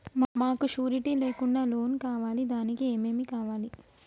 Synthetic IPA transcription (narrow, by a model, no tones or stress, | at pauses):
mmaːkuʃuːɾiʈiːle̞ːkuɳɖaːlo̞ːnkaːʋaːlid̪aːnikieːme̞ːmikaːʋaːli